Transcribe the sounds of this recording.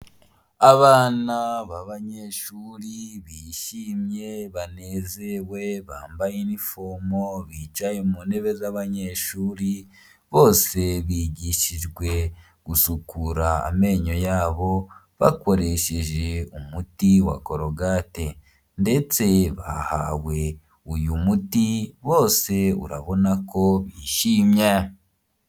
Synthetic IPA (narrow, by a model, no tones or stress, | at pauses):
aβaːnaβaβaɲeʃuːɾiβiːʃiːmje̞βane̞ːzewe̞βaːmbajenifoːmo̞βit͡ʃajemuːne̞βe̞zaβaɲe̞ʃuːɾi | βo̞ːse̞βiːɟiʃiʒɡwe̞ | ɡ̥usukuɾa̰ːme̞ːɲo̞jaːβo̞ | βa̰ko̞ɾe̞ʃeʒe̞umutiwa̰ko̞ɾo̞ɡate̞ | nde̞t͡se̞βa̰ha̰we̞ | ujumutiβo̞ːse̞ṵɾa̰βo̞nako̞βiʃiːmɲe